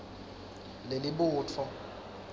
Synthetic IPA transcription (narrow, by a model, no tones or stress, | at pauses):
lelɪɓʊːt͡fʰɔ